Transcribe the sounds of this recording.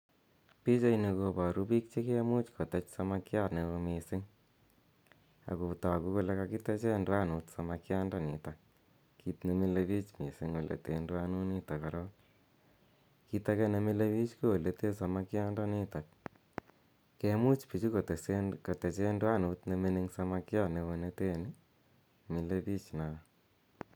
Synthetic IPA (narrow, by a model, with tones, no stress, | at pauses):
pi˦t͡ʃe˦ine˧ko˧ba˨ɾu˦pi˦k̚t͡ʃe˦ke˦mu˦t͡ʃkʰo˨te˦t͡ʃsa˧ma˦kja˦ne˨o˧mi˨sɪ˦ŋ | a̰˨ku˨ta˨ku˦ko˦˧le˦ka˧ki˦te˦t͡ʃe˦ndwa˦nutsa˨ma˧kja˦nda˦˨ni˨ta˨k̚ | ki˧tne˨mi˦le˧βi˦t͡ʃmi˨si˦ŋo˨lʔḛ˨te˧ndwa˦nu˦ni˦ta˨ka˨ɾɔ˦ | ki˦ta˦ke˦ne˨˦mi˦le˦βi˦t͡ʃku˦o˨le˨te˦sa˨ma˦kɪ˦a˦nda˦ni˦ta˨k̚ | ke˦mu˦t͡ʃpi˨t͡ʃi˦ko˨tko˨te˨t͡ʃe˦ndwa˦nu˨tne˧me˦ni˦ŋsa˦ma˧kja˦ne˨βo˨ne˦te˦ni˦ | mi˨le˦pi˦t͡ʃna˨